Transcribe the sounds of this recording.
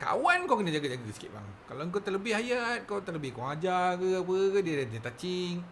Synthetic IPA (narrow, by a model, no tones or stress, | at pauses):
ka̰wankokənəd͡ʒaɡad͡ʒaɡasə̥kɪ̰t̪̚ba̰ŋ | kaloŋk̬ot̪aʔləbɪhajat̪̚kot̪aʔləbɪhkwaŋad͡ʒakəap̬əkədiədadət̪at͡ʃiŋ